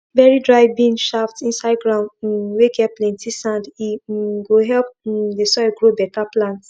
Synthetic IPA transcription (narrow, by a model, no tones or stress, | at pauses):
vɛɹidɹaɪbĩnʃaftĩnsaɪd̚ɡɹãʊnd̩wekɛplɛ̃ntisãndiɡoɦɛlp̩̚desɔiɡɹobɛtaplãnt